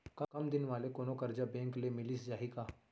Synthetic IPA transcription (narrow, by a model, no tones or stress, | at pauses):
kɐkɐmd̪ɪnʋaːlekonokəɾd͡ʑabẽŋklemɪliːsd͡ʒaɦika